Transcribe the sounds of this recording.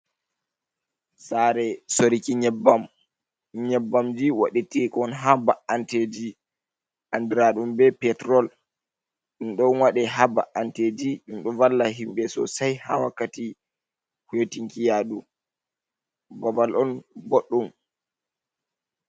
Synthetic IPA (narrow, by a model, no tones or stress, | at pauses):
saɾɛsoɾikiɲɛbam | ɲɛbːamd͡ʒiwa̰ɗitikɔnɦabaʔanted͡ʒi | ʔandiɾaɗumbɛpɛtɾɔl | ɗumɗɔnwaɗɛɦaba̰ʔanted͡ʒiɗumɗɔvalːaɦimbɛsɔ̰sajha̰wakːati | hjotiŋkijaɗu | bɔbalʔɔnboɗːum